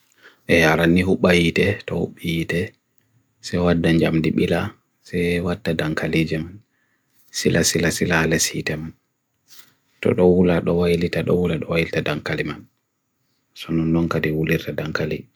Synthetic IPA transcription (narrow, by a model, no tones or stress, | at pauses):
ʔɛaɾanːiɦuɓajitɛtɔhṵɓːijitɛ | sɛwadːaɲd͡ʒamdiɓila | sɛwatːadaŋkʰalid͡ʒɛman | silʔasilasilalɛsitɛman | tɔ̰ɗɔwulaɗɔwajlitaɗɔ̰wulaɗɔwajilitadaŋkaliman | sɔnɔnːɔŋkadiwuliɾtadaŋkalḭ